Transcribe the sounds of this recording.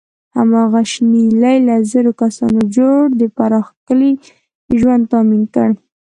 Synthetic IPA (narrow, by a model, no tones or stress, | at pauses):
ha̰mɑɣaʃnilajlazəɾokasɑ̰nod͡ʒoɽd̪əpaɾɑxkəli | ʒwand̪̚t̪ɑminkəɽ